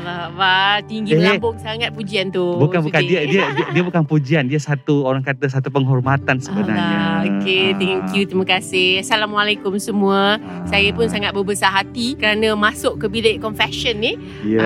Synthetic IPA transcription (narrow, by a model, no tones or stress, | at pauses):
abat̪iŋɡilabʊŋsaŋat̪̚pud͡ʒiant̪ubukanbukandiiəiədiəbukanpud͡ʒiandiəsat̪uoɾaŋkat̪əs̬at̪upəŋɦɔrmat̪ansəbəna̰raɲaoket̪ɛŋkjut̪ɾimakasɪhasalamwalekʊmsəmũə | sajapʊnsaŋat̪̚bəbəsaɦat̪ikəɾanãmasʊʔkəbilaʔkɔnfɛʃənːɪh